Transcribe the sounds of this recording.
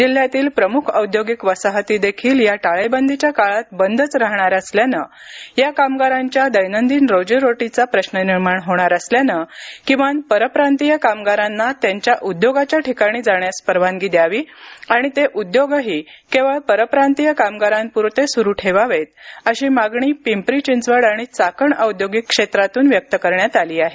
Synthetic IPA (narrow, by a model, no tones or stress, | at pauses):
d͡ʑil̤ːjat̪iːlpɾəmukʰəwd̪joɡikʋəsaɦət̪iːd̪ekʰiːljaʈaɭəjbənd̪ʱit͡ɕjakaɭat̪bənd̪ʱət͡sɾaɦɳ̃aɾəsljanə | jakamɡaɾãɲt͡ɕjad̪əjnənd̪iːnɾod͡ʑəɾoʈit͡sapɾəɕnəniɾmaɳɦoɽ̃aɾəsljanəkĩw̃ʋanpəɾəpɾant̪ijəkamɡaɾanːat̪jaɲt͡ɕjaʔud̪joɡat͡ɕjaʈikaɽ̃iːd͡zaɳjaspəɾʋãnɡid̪jaʋiːaɽ̃it̪eʔud̪joɡəɦiːkẽʋ̤əɭpəɾəpɾant̪ijəkamɡaɾãnpuɾt̪esuɾuːʈʰeʋaʋet̪̚əɕiːmaɡɳ̃iːpimpɾit͡ɕint͡sʋəɽaɽ̃it͡sakəɳəud̪joɡikːʂet̪ɾat̪uːnʋjək̚t̪əkəɾɳjat̪aliːaɦe